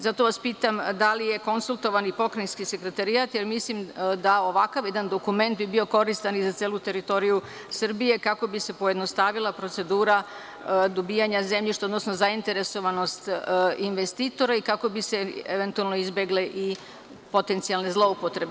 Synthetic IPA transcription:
zat̪o̞ʋaspiːt̪amd̪alije̞ko̞nsulˠt̪o̞ʋanipo̞kɾainskise̞kɾet̪aɾiat̪je̞ɾmislimd̪ao̞ʋakaʋjed̪and̪o̞kume̞nt̪̚bibio̞ko̞ɾist̪anizat̪seːlut̪e̞ɾit̪o̞ɾiju | sr̩bije̞kako̞bise̞po̞jed̪no̞st̪aʋilˠapɾo̞t̪se̞d̪uːɾa | d̪obiːjaɲaze̞mʎiʃt̪eo̞d̪nosno̞zaint̪e̞ɾe̞so̞ʋano̞st̪inʋe̞st̪iːt̪o̞ɾaikako̞bise̞eʋe̞nt̪ualˠnoizbjeɡleʔi | po̞t̪e̞nt̪sijalne̞zlˠo̞upot̪ɾe̞be

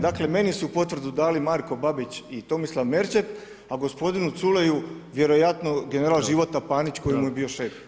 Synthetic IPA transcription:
d̪akle̞me̞nisuupo̞t̪ʋr̩d̪ud̪aːlimaɾko̞babit͡ɕit̪o̞mislˠaʋme̞ɾt͡ʃep | aɡo̞spo̞d̪inut̪sule̞juʋje̞ɾo̞jat̪no̞ɡe̞ne̞ɾaːlˠʒiʋo̞t̪apaːnit͡ɕko̞jimujebio̞ʃe̞f

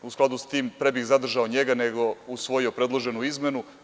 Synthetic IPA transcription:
usklˠad̪ust̪iːmpɾebixzad̪r̩ʒaoɲeɡaneɡo̞usʋo̞jiopɾe̞d̪lˠoʒe̞nuizme̞nu

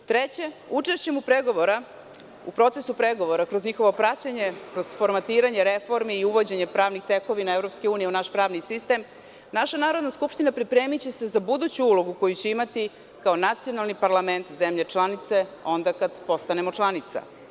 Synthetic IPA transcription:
t̪ɾet͡ɕe̞ut͡ʂeʃt͡ɕe̞mupɾeɡo̞ʋo̞ɾa | ṵpɾo̞t̪sesupɾeɡo̞ʋo̞ɾakɾozɲixo̞ʋo̞pɾat͡ɕaɲe̞kɾozfo̞ɾmat̪iːɾaɲe̞ɾefo̞ɾmiːuʋod͡ʑeɲe̞pɾaːʋnixt̪eko̞ʋinaevɾo̞pskeuːnijeunaʃpɾaːʋnisist̪e̞m | naʃanaːɾo̞d̪naskupʃt̪inapɾipɾe̞ːmit͡ɕese̞zabud̪uːt͡ɕuulo̞ɡuko̞jut͡ɕe̞imat̪i | kaonat̪sijo̞nalˠnipaɾlˠame̞nt̪zemʎe̞t͡ʂlˠanit̪se̞o̞nd̪akad̪po̞st̪anemot͡ʂlˠanit̪sa̰

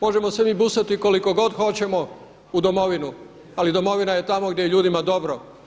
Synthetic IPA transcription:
mo̞ʒe̞mosemiːbusat̪iko̞liko̞ɡo̞d̪xo̞t͡ɕe̞mo̞ | ud̪omo̞ʋinu | alid̪o̞mo̞ʋinaje̞t̪amo̞ɡd̪ʲje̞jeʎuːd̪imad̪o̞bɾo

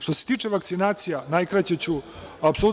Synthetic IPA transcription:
ʃt̪o̞set̪iːt͡ʂeʋakt̪sinaːt̪sijanajkɾat͡ɕet͡ɕuapsolut̪

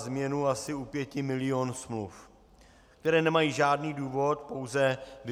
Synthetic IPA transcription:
zmɲɛnuasɪupjɛcɪmɪlɪonsmluf | k̚t̪ɛɾɛːnɛmajiːʒaːdniːduːvo̞t̪po̞wzɛv

